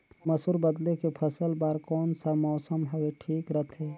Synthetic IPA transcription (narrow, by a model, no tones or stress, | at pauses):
məsuɾbəd̪lekepʰəsəlbaːɾkɔːnsamɔːsəmɦəweʈʰiːkɾət̪ʰeː